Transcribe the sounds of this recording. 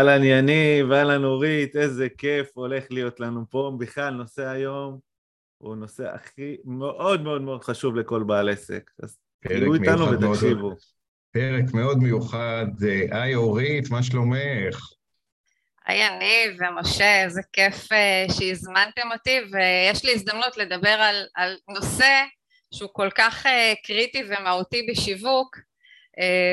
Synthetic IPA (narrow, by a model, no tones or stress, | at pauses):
alanjanivealanoʁit̪e̞ze̞ke̞fo̞le̞χlijo̞t̪lanupo̞biχlalno̞se̞ajo̞m | ṵno̞se̞̰a̰χimeʔo̞d̪me̞o̞d̪meo̞d̪̥χaʃuvle̞ko̞lbaːle̞se̞̰ka̰z | kuianuvet̪akʃivu | peʁekmeo̞d̪mejuχad̪eʔajoʁit̪maʃ̬lo̞meχ | a̰janivemoʃeezekefeʃeizmant̪e̞mo̞t̪ivejeʃliis̬d̪amnut̪le̞d̪abe̞ʁalalno̞se̞ | ʃeuko̞lkaχekʁit̪ivemaut̪ibeʃivuk | e